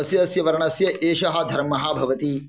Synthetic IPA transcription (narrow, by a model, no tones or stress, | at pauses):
ɐsjɐsjɐʋɐɾɐɳɐsjɐʔeːʃɐɦɐ̆d̪ʱɐɾmːɐɦɐbʱɐʋɐt̪i